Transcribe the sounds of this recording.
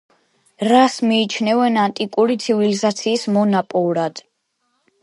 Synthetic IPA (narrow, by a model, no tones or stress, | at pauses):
ɾasmiːt͡ʃʰnɛvɛnant̪ʼikʼuɾit̪sʰivilizat̪sʰiːsmɔnapʼɔɾad̪̥